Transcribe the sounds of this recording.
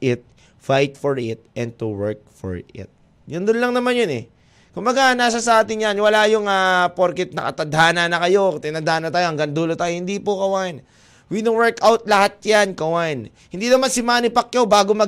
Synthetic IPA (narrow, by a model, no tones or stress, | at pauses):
ɪt̪̚ | fajt̪̚fɔɹɪt̪̚ʔɛ̃n̚t̪uwɛɹk̚fɔ̰ɹɪ̰t̪̚ | jʊnd̪ʊnlɐŋnɐmanjonɛ | kʊmbɐɡanaːs̬ɐsɐʔaːt̪ɪŋjanwɐlajʊŋaːpoɾkɛt̪̚nɐ̰kɐ̰t̪ɐd̪aːnanɐkɐjo̞t̪ɪnad̪aːʔnɐt̪aːjohɐŋɡaŋd̪uːlot̪aːjohɪnd̪ipokɐwaʔɪn | winowɛɹkʔawt̪̚lɐhat̪̚jankɐwaʔn | hɪ̃nd̪inɐmansɪmaːnɪpɐk̚jɐwbaːɡomɐ